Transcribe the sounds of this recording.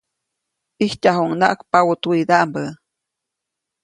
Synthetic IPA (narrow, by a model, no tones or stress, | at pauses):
ihcaɦuŋna̰ʔkpawut̪uid̪aʔmbə